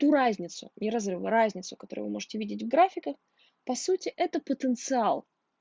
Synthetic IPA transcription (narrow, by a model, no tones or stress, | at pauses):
t̪uɾazʲnʲɪt̪sʊ̰nʲɪɾɐzrɨvə̰ɾazʲnʲɪt̪sʊkɐ̥t̪o̞ɾʊ̰vɨ̰mo̞ʐɨtʲɪvʲidʲɪtʲvɡɾafʲɪkəx | pɐsutʲɪʔɛt̪əpət̪ənt̪sɨalˠ